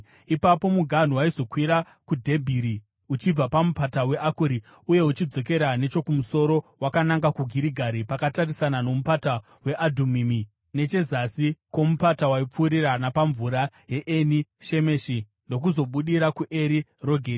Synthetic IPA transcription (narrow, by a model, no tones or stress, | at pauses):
ipapo̞muɡʱan̤uwaizo̞kwiɾa | kudʱe̞bʱiɾi | ut͡ʃib͡vapamupatawe̞ʔakuɾi | uje̞ut͡ʃid͡zo̞k̬e̞ɾane̞t͡ʃo̞kumuso̞ɾo̞wakanaŋɡakuɡʱiɾiɡʱaɾipakatarisanano̞mupata | we̞ʔadʱumimi | ne̞t͡ʃe̞zasikwo̞mupatawaip͡fuːɾiranapaɱvuɾaje̞ʔeniʃe̞me̞ːʃi | ndo̞k̬uzo̞ɓuɗiɾakuʔe̞ɾiro̞ɡʱeːɾi